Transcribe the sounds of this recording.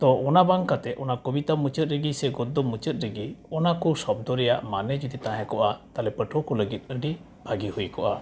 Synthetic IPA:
t̪ɔʔɔnabaŋkat̪ɛʔɔnakobit̪amut͡ʃət̪̚ɾəɡisɛɡɔd̪ɔmut͡ʃət̪̚ɾəɡiɔnakɔsɔb̚d̪ɔɾɛja̰ʔmanɛd͡ʒud̪it̪ãɦɛ̃kɔʔat̪alɛpəʈʰɔkɔləɡit̪̚ˀəɖi | bʱaɡihujkɔʔa

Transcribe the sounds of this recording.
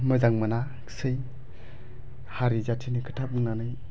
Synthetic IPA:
məzaŋmɯnḁ | sɯj | haɾizatʰinikʰɯ̥tʰabɯŋnanɯj

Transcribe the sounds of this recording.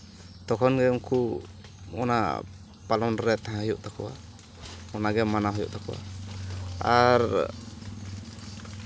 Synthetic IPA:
t̪ɔkʰɔnɡɛmku | ɔ̰na̰ | palɔnɾɛt̪aɦãhɔjuʔt̪akɔwa̰ | ɔnaɡɛmanaɦɔjṵʔt̪akɔwa̰ | aɾ

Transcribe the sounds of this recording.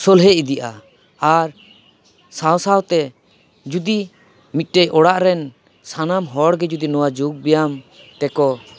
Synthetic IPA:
sɔlɦɛid̪iʔa̰ | aɾ | sawsawt̪ɛ | d͡ʒud̪i | mit̪̚ˀʈɛjʔɔɽaʔɾɛn | sanamɦɔɽɡɛd͡ʒud̪inɔwad͡ʒuɡ̚bɛjam | t̪ɛkɔ

